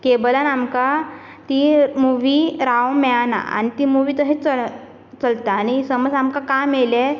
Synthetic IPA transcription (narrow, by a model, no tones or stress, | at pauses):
kebəlanamka | t̪imuʋiɾawmɛana̰a̰ñit̪imuʋiːt̪əɦit͡sə | t͡səlt̪aːɽ̃isəməd͡zamkakamele